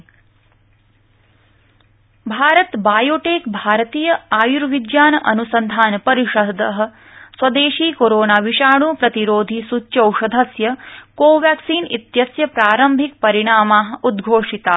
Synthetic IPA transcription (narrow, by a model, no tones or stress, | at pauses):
bʱaːɾɐt̪baːjoːʈeːkbʱaːɾɐt̪iːjɐaːjuɾʋid̪jaːnɐʔɐnusɐnd̪ʱaːnɐpɐɾiʃɐd̪ɐɦɐ̆ | swɐd̪eːʃiːkoɾoːnaːʋiʃaːɳ̃uːpɾɐt̪iɾoːd̪ʱisutːt͡ʃɐwʂɐd̪ʱɐsjɐkoːʋjaːksiːnit̪jɐsjɐpɾaːɾɐmbʱik̚pɐɾiɽ̃aːmaːɦɐ̆ud̪ɡʱoːʂit̪aː